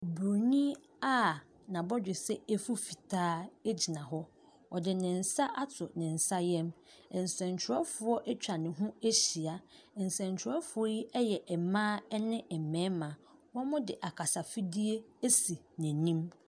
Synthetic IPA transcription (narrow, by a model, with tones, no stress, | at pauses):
bɾo˨nĩ˦ | a˦ | nã˨bɔ˦d͡ʑᶣɪ˨sɛ˦e˦fu˦fi˨tʰaː˦e˦d͡ʑi˨nã˨ɦɔ˦ | ɔ˨dɪ˨nɪ̃˨n̩˨sa˦ʔa˦tʰʊ˨nɪ̃˨n̩˨sa˦jɛ˦m˨ | n̩˨sɛ̃˨n˨t͡ɕʰɪ˨ɾɔ˦fʊ˨˦ɔ˦ʔɛ˦t͡ɕᶣa˨nɪ̃˨ɦũ˦e˦ɕi˨a˨ | n̩˨sɛ̃˨ɲ˨t͡ɕʰɪ˨ɾɔ˦fʊ˨˦ɔ˦ji˦ɛ˦jɛ˨ʔɛ˨mãː˦ɛ˦nɪ̃˦ʔɛ˨mɛ̃ː˨˦mã˨wɔ̃˦mʊ̃˦dɪ˨ʔa˨kʰa˨sa˨fi˦di˦e˦e˦si˨ | næ̃˨nĩ˦m